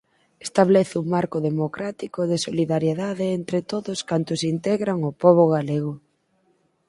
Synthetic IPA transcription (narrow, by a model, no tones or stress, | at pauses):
est̪aβlɛθɪuŋmaɾkʊðemokɾat̪ikʊðɪsoliðaɾjeðaðeent̪ɾet̪oðʊskant̪ʊsint̪ɛɣɾaŋʊpɔβ̞oɣaleɣ̞ʊ